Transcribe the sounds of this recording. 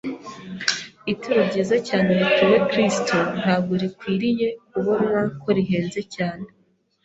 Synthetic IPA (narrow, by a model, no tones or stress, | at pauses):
ituɾubɟizacaːneβituwekɾiston̥haːɡuɾikwiːɾije̞kuβoɾuɾako̞ɾiɦeːnze̞caːne